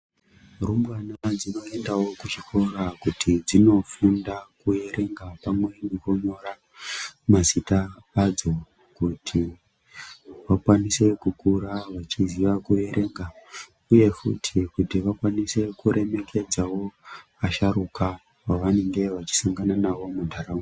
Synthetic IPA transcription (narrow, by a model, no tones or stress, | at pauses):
rumwanad͡zino̞e̞ndawo̞kut͡ʃiko̞ɾakutʰid͡zino̞fundakue̞ɾe̞ŋɡapamwe̞neko̞ɲo̞ɾa | mazita | ad͡zo̞ | kutʰi | ʋakwanise̞kukuɾaʋat͡ʃiziʋakue̞ɾʔe̞ŋɡa | uje̞fṵtʰikutiʋakwanise̞kuɾe̞me̞kʰe̞d͡zawo̞ | aʃaɾuka | waʋane̞ŋɡe̞ʋat͡ʃi̥saŋɡananaʋo̞mundʱaɾaŋɡ